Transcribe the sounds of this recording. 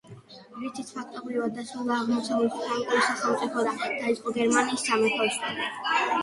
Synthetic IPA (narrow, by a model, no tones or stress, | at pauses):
ɾit̪ʰit̪ʰpʰak̚ʰt̪ʼɔbɾivad̪̚ːasɾulˠd̪aːʁmɔsʰabulitamk̪ʼɔisaχɛlˠt̪sʼipʰɔd̪ad̪̥aid̪sʼqʼɔɡɛɾmaniːsːamɛpʰɔsa